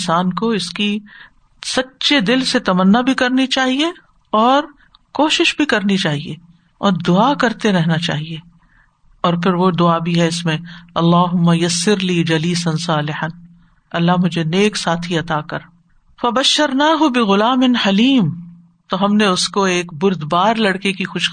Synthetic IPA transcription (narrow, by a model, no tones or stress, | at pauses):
saːnkoɪski | sɐtːʃed̪ɪlset̪ɐmənːabʱikɐɾnit͡ʃaːɦie | ɔːɾ | koːʃɪʃbʱikɐɾnit͡ʃaːɦiḛ | ɔːɾd̪ʊakɐɾt̪eɾɛɦnat͡ʃa̰ːɦieː | ɔːɾpʰɪɾʋod̪ʊabʱiɦɛɪsmẽɐlːaːɦʊmːajɐsːɪɾliːd͡ʒɐliːsɐnsaːlɪħɐn | ɐlːaɦmʊd͡ʒʱeneːksaːt̪ʰiɐt̪aːkɐɾ | fɐbɐʃːɐɾnaːɦʊbɪɣʊlaːmɪnħɐliːm | t̪oɦɐmneʊskoeːkbʊɾd̪baːɾlɐɽkekixʊʃ